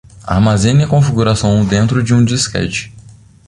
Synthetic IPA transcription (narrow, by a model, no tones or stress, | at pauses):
a̰ɾmazẽnʲɐkõfiɡuɾasɐ̃w̃d̪ẽnt̪ɾʊd͡ʒɪũd͡ʒiskɛ̰t͡ʃɪ̥